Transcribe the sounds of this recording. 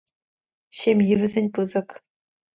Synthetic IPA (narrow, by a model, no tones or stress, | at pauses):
ɕemʲjɘʋʲɘ̆zʲenʲpɯzɤ̆k